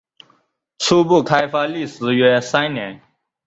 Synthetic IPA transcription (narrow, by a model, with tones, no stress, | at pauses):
t͡sʰuː˦bu˥˨kʰa˦jfaː˦˥li˥˨s̩˨jɥɛː˦sã˥ɪnã˨˩˦